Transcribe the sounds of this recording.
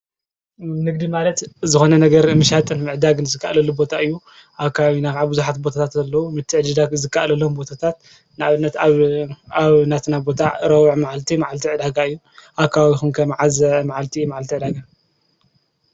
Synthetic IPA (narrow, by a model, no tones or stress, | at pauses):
nɨɡd̪imalɐt̪zɨxo̞nɐnɐɡɐɾɨmɨʃat̪ʼɨnmɨʕd̪aɡɨnzɨkʰːa̰ʔlɐlubo̞t̪ʰaɨjːu | ʔakʰːaβawinakʕabɨzuħat̪bo̞t̪ʰat̪ʰat̪zɐlːɐwumɨt̪ʰːɨʕɨd͡ʒid̪aɡzɨkːaʔlɐlo̞mbo̞t̪ʰat̪ʰat̪ | naʔaβɨnːɐt̪aβaβnat̪ʰɨnabo̞t̪ʰaɾɐwʕmaʕalt̪ʰimaʕalt̪ʰiʕɨd̪aɡaɨjːu | ʔakʰːaβaβixumkʰɐmʕazɐmaʕalt̪ʰimaʕalt̪ʰiʕɨd̪aɡa